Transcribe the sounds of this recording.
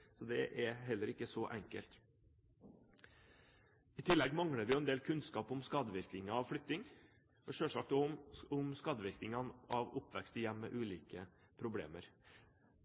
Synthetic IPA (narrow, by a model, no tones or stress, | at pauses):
sɔd̪ɛʔɛɦɛlːəɾɪkːəsɔʔɛŋkə̰lt̪ | ɪt̪ʰɪlːɛɡmɑŋɽəɾʋɪjʊɛnd̪eːlkʰʉnskɑːpɔmskɑːd̪əʋɪɾk̪ɪŋɑʋflʏk̚t̪ɪŋ | ɔʃøːʂɑk̚d̪ɔʊmskɑd̪əʋɪɾk̪ɪŋɑnɑʋʊpːʋɛkst̪ɪjɛmːə̰ʔʉːliːkə | pʰɾʊblḛːməɾ